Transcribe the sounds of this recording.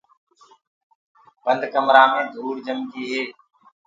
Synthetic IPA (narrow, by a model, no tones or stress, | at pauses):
b̥ənd̪ʱkəmɾaːmẽːd̪ʱuːɽd͡ʒəmɡiːɦeː